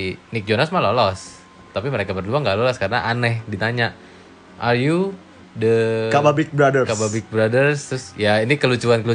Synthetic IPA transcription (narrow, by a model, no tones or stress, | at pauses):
nɪk̚d͡ʒonasmalolɔs | t̪apiməɾekabərluaŋɡalolɔskaɾənaʔanɛhdit̪aɲaʔ | ʔarju | dəkababɪk̚bɾadərkababɪk̚bɾadərst̪ɾʊsjainikəlut͡ʃuankəlu